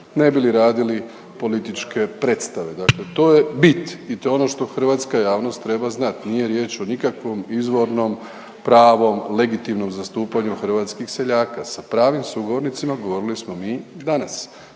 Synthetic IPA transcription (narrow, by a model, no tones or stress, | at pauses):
ne̞biliɾaːd̪ili | po̞lit̪it͡ʃke̞pɾe̞t̪st̪aʋe̞d̪aklet̪o̞ːje̞bit̪it̪oono̞ʃt̪o̞xr̩ʋaːt̪skajaːʋno̞st̪ːɾe̞baznat̪niːje̞ɾje̞ːt͡ʃo̞nikakʋo̞mizʋo̞ɾno̞m | pɾaːʋo̞mle̞ɡit̪imno̞mzast̪uːpaɲuxr̩ʋaːt̪skixse̞ʎaːkasapɾaːʋimsuɡo̞ʋo̞ɾnit̪simaɡo̞ʋo̞ɾilismo̞miːd̪anas